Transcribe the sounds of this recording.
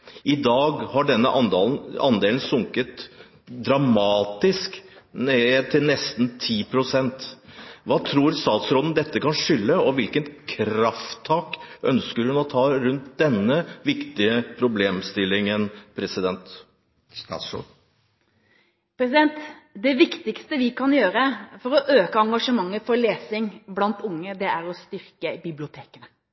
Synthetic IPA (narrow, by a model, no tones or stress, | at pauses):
ʔɪd̪ɑːɡhɑɖɛnːəʔɑnd̪ln̩ɑnd̪eːln̩sʊŋkət̪ | d̪ɾɑmɑːt̪ɪskneːt̪ʰɪlnɛst̪n̩t̪ʰiːpʰɾʊsɛnt̪ʋɑːt̪ʰɾuːɾst̪ɑːt̪sɾɔd̪n̩d̪ɛt̪ːəkʰɑnʂʏlːəɔʋɪlkənkʰɾɑft̪ʰːɑːkʔœnskəɾhʉnɔt̪ʰɑːɾʉnt̪̚d̪ɛnːəʋɪkt̪ɪəpʰɾʊbleːmst̪ɪlːɪŋənpʰɾɛsɪd̪ɛnt̪ | pɾɛsɪd̪ɛnt̪d̪ɛʋɪkt̪ɪkst̪əʋɪkʰɑnjøːɾəfɔɾɔʔøːkəɑŋɡɑʂəmɑŋːəfɔɾɭeːsɪŋblɑnt̪ʊŋːəd̪ɛæɾɔst̪ʏɾkəbɪblɪʊt̪ʰeːkənə